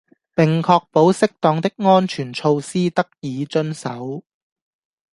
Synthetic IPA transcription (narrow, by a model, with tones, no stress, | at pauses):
pɪ˨ŋkʰɔː˧k̚po˨˥wsɪ˥k̚t̪ɔː˧ŋt̪ɪ˥k̚ŋɔː˥nt͡ʃʰyː˨˩nt͡ʃʰo˧wsiː˥t̪ɐ˥k̚jiː˨˧t͡ʃɵ˥nsɐ˨˥w